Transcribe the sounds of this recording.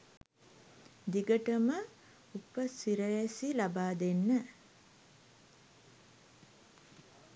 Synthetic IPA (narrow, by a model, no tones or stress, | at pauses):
d̪iɡəʈəmə | upəsiɾəjæsilabaːd̪enːə